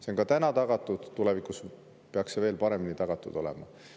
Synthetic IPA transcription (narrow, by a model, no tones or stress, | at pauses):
seoŋkɑt̪ænɑt̪ɑɡ̥ɑt̪ːˑud̪̥t̪ːule̞vikˑus | pe̞ɑksːeve̞ːlpɑɾe̞minit̪ɑɡ̥ɑt̪ːˑud̪̥o̞lḛmɑ̰